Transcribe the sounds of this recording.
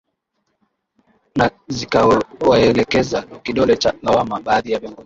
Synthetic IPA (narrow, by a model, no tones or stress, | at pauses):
nazikawaɛlɛkɛzakiɗɔlɛt͡ʃalawamaɓaːðijavjɔŋɡɔzi